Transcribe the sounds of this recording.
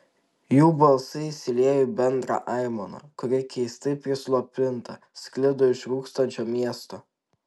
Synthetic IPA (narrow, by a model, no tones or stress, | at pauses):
juːbɐlˠsɐɪsʲɪlʲeɛːjʊbʲɛnd̪ɾɑ̰ʔɑˑɪmonɐ̰kʊɾʲɪkʲɛɪst̪ɐpʲɾʲɪslˠopʲɪnt̪ɐ | sʲklʲɪd̪oɪʃɾuːkst̪ɐnʲt͡ʃʲoːmʲiɛst̪o